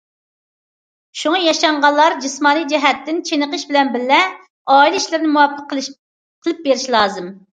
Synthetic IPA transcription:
ʃuŋɑjɑʃɑɴʁɑlˠːɑɾd͡ʒɨsmɑːnijd͡ʒɛɦɛt̪ːɪnt͡ʃʰenəqəʃbɪlɛnbɪlːɛ | ɑːilˠɪiʃlɪɾnɪmuwɑpʰːəq | qʰəlˠɨp̚beɾɪʃlˠɑːzɨm

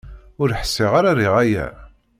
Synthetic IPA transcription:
ʊɾħə̥sːɪʁaɾariʁæjæ̰

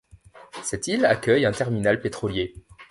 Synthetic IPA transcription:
sɛt̪ila̰kʲœjɛ̃t̪ɛʁminalpet̪χɔlje

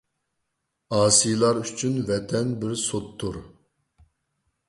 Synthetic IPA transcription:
ɑːsijlˠɑɾyt͡ʃʰynvɛt̪ʰɛnbɪɾsot̪ʰːuɾ

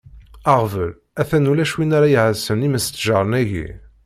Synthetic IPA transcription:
aʁvəl | æθænulæʃwinaɾajiʕəsəniməst̪ːʒaɾˤənæʝḭ

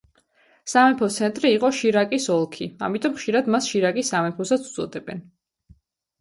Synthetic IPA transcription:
samɛpʰɔt̪sʰɛnt̪ʼɾiːqʼɔʃiɾakʼisɔlˠkʰia̰mit̪ʼɔmχʃiɾad̪masʃiɾakʼisamɛpʰɔsat̪sʰu̥d̪zʼɔd̪ɛbɛn

